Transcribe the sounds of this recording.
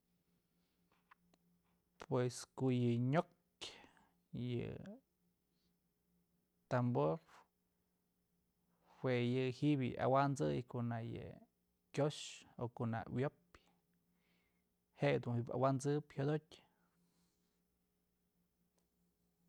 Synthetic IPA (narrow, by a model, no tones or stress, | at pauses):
pweskoʔjɨɲok | jɨ̰ | t̪amboɾ | hwejɨhiʔbɨ̰ʔa̰wand͡zɨjkoʔnajɨ̰ | kʲjoʃokona̰wjop | heʔd̪unhiba̰wand͡zɨphjod̪otʲ